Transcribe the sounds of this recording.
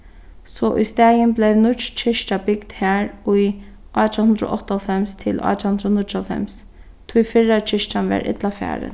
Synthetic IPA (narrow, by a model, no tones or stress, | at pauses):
sɔʔʊ̰jst̪æːjənblɛʋnʊt͡ʃt͡ʃʰɪʃʈabɪɡd̪hæːɹʊj | ʔɑːt̪ʰahʊnd̪ɾo̰ʔɔht̪ːɔlfɛmst̪ʰɪlʔa̰ːt̪ʰahʊnd̪ɾonʊt͡ʃɔlfɛ̰ms | t̪ʰujfɪɹat͡ʃʰɪʃʈanʋɛ̰ɹʔɪ̰t̪lafæ̰ːɾə̰n